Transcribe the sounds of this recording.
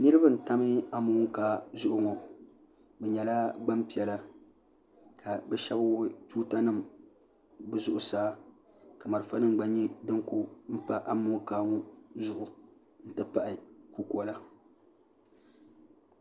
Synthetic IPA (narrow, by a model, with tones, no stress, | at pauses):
nɨ˦ɾɨ˦bɨ˦n̩˨ta˦mɨ˦a˦muː˦ŋ˦kaː˦zʊ˦ʔʊ˦ŋɔ˨ | bɛ˨ɲɛ˨la˦ɡ͡ba˦mpi˨ɛ˨la˦ | kʰa˨bɛ˦ʃɛ˦ba˦tuː˦ta˦nɨ˦m | bɨ˦zʊ˨ʔʊ˨saː˦ | ka˨ma˨ɾɨ˨fa˦nɨ˦ŋ˨ɡ͡ba˨˦ɲi˦dɨ˦ŋku˦m̩˦pa˦ʔa˦muː˦ŋkaː˦ŋɔ˦zʊ˨ʔʊ˨ | n̩˦tɨ˦pa˦˨ʔɪ˨ku˦kɔ˨˦la˦